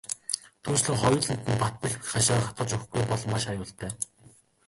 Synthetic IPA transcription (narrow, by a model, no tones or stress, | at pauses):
t̪ʰuːnt͡ɕɮɘ̆ŋχɔjʊ̆ːɮɘ̆n̥t̪ɘ̆npat̪̚pɘ̆ɮχaʃaːχat̪̚ɢə̆t͡ɕuxɡujpɔɮmːaʃajʊːɬt̪ʰæː